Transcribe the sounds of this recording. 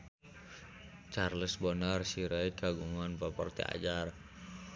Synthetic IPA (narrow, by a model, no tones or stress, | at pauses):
t͡ʃarləsbɔnarsiɾaiɡ̥aɡuŋanpɔpɔrt̪ḭa̰d͡ʒar